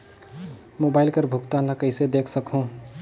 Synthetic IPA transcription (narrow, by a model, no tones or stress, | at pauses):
moːbaːɪlkəɾbʱʊkt̪ãləkəɪsed̪eːkʰsəkɦũ